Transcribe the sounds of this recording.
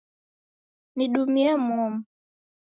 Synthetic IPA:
niɗumiɛmuɔmu

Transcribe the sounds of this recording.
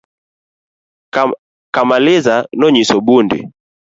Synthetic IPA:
kamalɛzanɔɲisɔbundḭ

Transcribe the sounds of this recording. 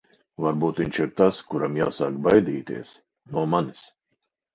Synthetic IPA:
vaɾbuːt̪viɲʲt͡ʃiɾt̪askuɾamja̰ːsaːkbajd̪iːt̪ḭɛs | nuɔmanis

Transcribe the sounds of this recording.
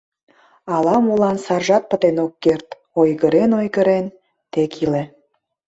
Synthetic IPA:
ɑlɑmulɑnsɑrʒɑt̪̚pət̪enokːert̪ | ojɣəɾenojɣəɾen | t̪ekʰile

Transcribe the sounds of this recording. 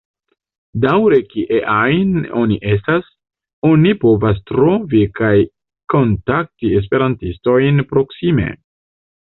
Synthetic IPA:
dawɾe̞kiʔeʔajno̞̰niʔe̞stas | o̞nipo̞vas̬tɾo̞vikaj | ko̞ntak̚tie̞s̬pe̞ɾantisto̞jnpɾo̞ksime̞̰

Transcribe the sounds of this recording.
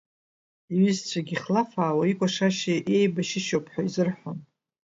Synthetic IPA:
iɥʏzt͡ɕʷʰaɡʲiχlafaːwaikʷʼaʂaʃiʔe̞jbaʃɪʃowpʰʼħʷᶣaizɨrħon

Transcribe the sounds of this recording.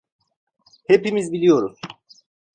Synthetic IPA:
he̞pimizbilʲijo̞ɾuz̥

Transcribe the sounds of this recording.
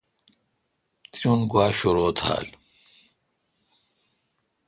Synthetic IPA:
t̪ijunɡwaːɕoɾoːt̪ʰa̰ːl

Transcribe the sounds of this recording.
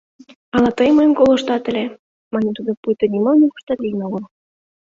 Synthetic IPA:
ɑlɑt̪ɤjmɤjənkoloʃt̪ɑt̪ə̆lʲe | mɑnʲet̪ud̪opujt̪ŏnʲimɑlnʲipu̥ʃt̪ɑt̪ijnoɣɤl

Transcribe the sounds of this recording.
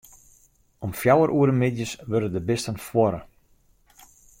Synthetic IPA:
ɔmfjawəɾʔuəɾəmɪdjəsʋørdədəbɪstənfwɔɾə

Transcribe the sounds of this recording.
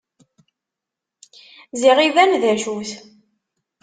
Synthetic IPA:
ziʁivænðæʒuθ

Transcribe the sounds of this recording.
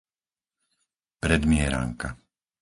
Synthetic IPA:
pɾɛd̪mɪɛɾa̰ŋka

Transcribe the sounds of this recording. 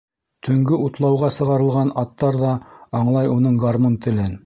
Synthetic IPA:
t̪ʰɵ̆ŋɡɘʔut̪lˠɑwʁɑsɤ̆ʁɑɾɤ̆lˠʁɑnɑt̪ːɑɾðɑɑɴlˠɑjunɤɴɡaɾmɤnt̪ɘ̆lɘn

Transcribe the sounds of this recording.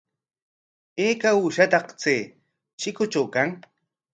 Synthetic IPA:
eːkauʃat̪ɑqt͡seː | ʃɪkʊt͡ʃawkaŋ

